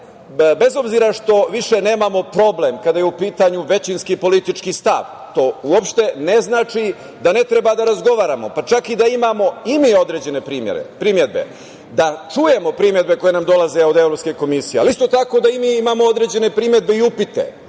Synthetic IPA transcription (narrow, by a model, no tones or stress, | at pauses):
be̞zo̞bziːɾaʂt̪o̞ʋiʃe̞ne̞ːmamo̞pɾo̞blemkad̪ajeupiːt̪aɲuʋe̞t͡ɕinskipo̞lit̪it͡ʂkist̪a̰ʋ | t̪o̞uopʃt̪e̞ne̞znaːt͡ʂi | d̪ane̞t̪ɾe̞bad̪aɾazɡo̞ʋaːɾamo̞pat͡ʃakid̪aimamo̞imiːo̞d̪ɾe̞ːd͡ʑe̞ne̞pɾiːmjḛɾḛpɾimje̞d̪̚be̞̰ | d̪at͡ʂuje̞mo̞pɾimje̞d̪be̞ko̞je̞namd̪o̞laze̞o̞d̪e̞ʋɾopskeko̞misijealist̪o̞t̪ako̞d̪aimiimaːmoo̞d̪ɾe̞d͡ʑe̞ne̞pɾimje̞d̪̚be̞iupit̪ḛ